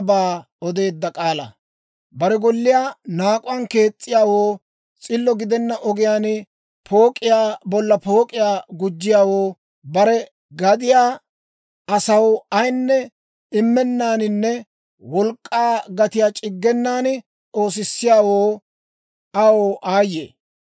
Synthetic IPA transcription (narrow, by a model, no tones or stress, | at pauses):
baː | ɔd̪e̞ːd̪ːɐkʼaːlɐ̰ | bɐɾɛɡɔlːɪjaːnaːkʼʊwɐnke̞ːt͡sʼːɪjaːwoː | t͡sʼɪlːɔɡɪd̪ɛnːɐʔɔɡɪjaːn | pʰo̞ːkʼɪjaːbɔlːɐpo̞ːkʼɪjaːɡʊd͡ʒːɪjaːwoː | bɐɾɛ | ɡɐd̪ɪjaː | ɐsɐwɐjnːɛ | ɪmːɛnːaːnɪnːɛ | wɔlkʼːaːɡɐt̪ɪjaːt͡ʃʼɪɡːɛnːaːnɪ | t͡so̞ːs̬ɪsːɪjaːwoː | ɐwoːʔaːjːḛː